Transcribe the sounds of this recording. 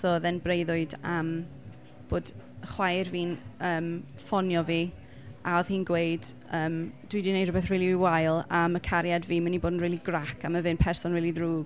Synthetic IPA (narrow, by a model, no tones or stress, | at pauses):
sɔðɛnbrejðʊɨdam | b̥oːdəχwajrviːnəːm | fɔnjɔviː | aɔðhiːnɡwejd̥ | əːmd̥widinejd̥rɔbɛθriːliwajlˠaməkʰaɾjadviːmaniboːdən̩riːlˠiɡrakʰaməvɨnpʰɛrsɔnɹiːlˠiðruːɡ